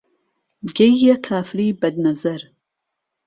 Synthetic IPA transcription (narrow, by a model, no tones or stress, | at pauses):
ɡɐjɐkʰaːfɾiːbɐd̪nɐzɐɾ